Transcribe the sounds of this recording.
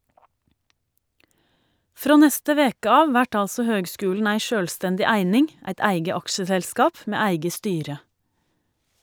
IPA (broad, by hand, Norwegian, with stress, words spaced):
ˈfɾoː ˈnɛstə ˈʋeːkə ˈɑːʋ ˈʋæʈ ˈɑlsɔ ˈhøːɡˌskʉːln̩ ˈæɪ ˈʃøːlstɛndɪ ˈæɪnɪŋ ˈæɪt ˈæɪɡə ˈɑkʃəˌsɛlskɑːp ˈmeː ˈæɪɡə ˈstyːɾə